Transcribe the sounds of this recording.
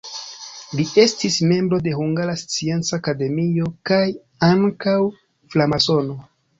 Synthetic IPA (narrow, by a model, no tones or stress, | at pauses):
lie̞stisme̞mbɾo̞de̞huŋɡaɾast͡sie̞nt͡saːkade̞mio̞kaj | aŋkaw | flamaso̞no̞